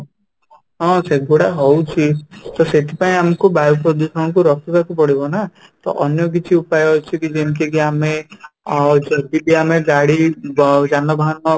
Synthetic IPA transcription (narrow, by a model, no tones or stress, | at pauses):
ɦɔ̃seɡoɽaɦowt͡ʃʰit̪ɔset̪ʰipaĩamɔkubajupɾɔd̪usɔɽ̃ɔkuɾɔkʰɔbakupɔɽibɔna | t̪ɔ̰ʔɔnjɔk̬it͡ʃʰiupajɔɔt͡ʃʰikid͡ʒenikʰek̬iame | d͡ʒɔd̪ibiameɡaɽid͡ʒanɔbʱaɦɔnɔ